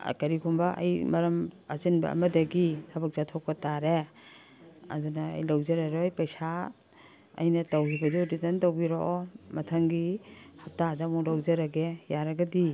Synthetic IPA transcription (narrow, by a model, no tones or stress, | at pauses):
a̰kaɾikʰumbaʔa̰jmɐɾɐmazinba̰ɐ̰mɐdaɡitʰabak̚zatʰɔk̚ːataɾe | a̰dunaa̰jlawzaɾaɾɔjpajsa | ɐ̰jnɐtawhibaduditantawbiɾoʔɔmɐtʰaŋɡihap̚tadamɔlawzaɾaɡejaɾaɡadi